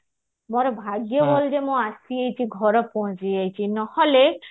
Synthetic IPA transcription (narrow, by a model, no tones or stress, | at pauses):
moɾɔbʱaɡjɔbold͡ʒemɔ̃asiejt͡ʃʰiɡʱɔɾɔpɔɦɔ̃t͡ʃiajt͡ʃʰinɔhɔle